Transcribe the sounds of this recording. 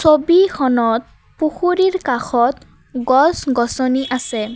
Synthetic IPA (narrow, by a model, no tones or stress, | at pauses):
sobikʰɔnɔt̪̚ | puxuɹiɹkaxʰɔt̪ | ɡɔsɡɔsɔniʔasɛ